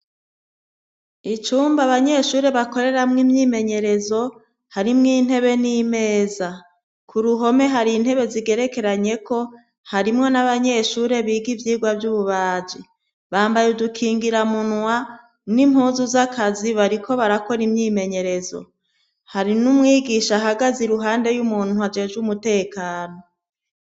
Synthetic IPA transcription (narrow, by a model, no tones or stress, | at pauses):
it͡ʃuːmbaβaɲe̞ʃuːɾe̞βako̞ɾe̞ɾamŋimɲiːme̞ɲe̞ɾe̞zo̞ | haɾimŋiːn̥he̞βe̞nime̞ːza | kʰuɾuɦo̞me̞ɦaɾin̥he̞βe̞ziɡe̞ɾe̞ke̞ɾaɲe̞kʰo̞ | haɾimŋo̞naβaɲe̞ʃuːɾeβiːɡivjiːɡwavjuβuβaːd͡ʒi | βaːmbajudukʰiːŋɡiɾamunŋwa | nim̥huːzuzakʰaziβaɾikʰo̞βaɾako̞ɾimɲiːme̞ɲe̞ɾe̞zo̞̰ | haɾinumŋiːɡiːʃaɦaɡaziɾuɦaːnde̞jumuːn̥uad͡ʒe̞ːd͡ʒumute̞ːkaːno̞